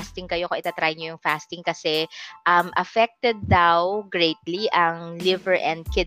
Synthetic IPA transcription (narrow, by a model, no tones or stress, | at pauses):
st̪ɪŋkɐjokoŋʔɪt̪at̪ɾajɲojʊŋfast̪ɪŋkɐsɛʔɐmʔɐfɛk̚t̪ɛd̪̚ːawɡɹejt̪liʔɐŋlɪvɛɹʔɛ̃nd̪̚kɪ